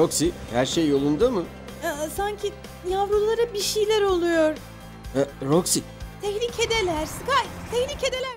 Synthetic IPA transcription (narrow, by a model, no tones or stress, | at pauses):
ɾoksihæɾʃejːo̞lˠund̪amɯ | asaɲcʰi | javɾulˠaɾabiʃijlʲæɾo̞lˠujoɾ | ɛɾoksi | t̪ʰɛçlʲicʰe̞d̪elʲæɾsɨkajt̪ʰɛçlʲice̞d̪e̞lʲæɾ